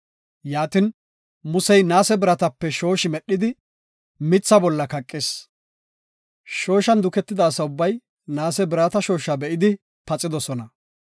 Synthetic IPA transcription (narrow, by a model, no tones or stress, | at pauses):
jaːt̪ɪn | mʊsɛjnaːsɛbɪɾɐt̪ɐpːɛʃo̞ːʃɪmɛɗːɪd̪ɪ | mɪt͡sːɐbɔlːɐkɐkʼːɪs | ʃo̞ːʃɐnd̪ʊkɛt̪ːɪd̪ɐːsɐʊbːɐj | naːsɛbɪɾaːt̪ɐʃo̞ːʃɐbɛʔɪd̪ɪ | pɐt͡sʼɪd̪ɔsɔnɐ